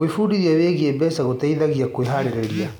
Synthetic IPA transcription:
efuɾiɾiaβeɣiɛbɛsaɣotaiðaɣiakweɦaɾeɾɛɾia

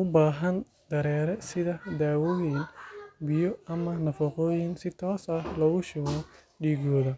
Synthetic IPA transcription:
ʔʊbaːɦɐn | d̪ɐɾɛːɾɛsɪðɐd̪aːwɔːjɪnbɪjɔɐmɐnɐfɐqɔːjɪnsɪt̪ʰɔːsɐhlɔɣʊʃɔːɣɔ | ɖiːɣɔːðɐ

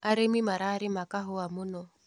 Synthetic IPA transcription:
aɾemimaɾaːɾɪmakaɦʊamʊnɔ

